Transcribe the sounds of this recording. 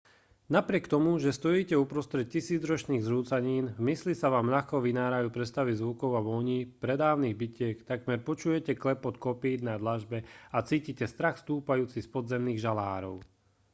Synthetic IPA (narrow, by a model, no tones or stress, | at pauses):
napɾɪɛkt̪ɔmuʒɛst̪ɔjiːcɛupɾɔst̪ɾɛt̪̚cisiːd͡zɾɔt͡ʃniːɣzɾuːt͡saɲiːnmislisaʋaːmʎaxkɔʋinaːɾajuːpɾɛst̪aʋizʋukɔʊaʋɔɲiːpɾɛd̪aːʊniːɣbicɪɛkt̪aɡmɛɾpɔt͡ʃuːjɛcɛklɛpɔt̪kɔpiːd̪nad̪laʒbɛat͡siːcicɛst̪ɾaxst̪uːpajuːt͡sispɔd̪zɛmniːɣʒala̰ːɾɔ̰ʊ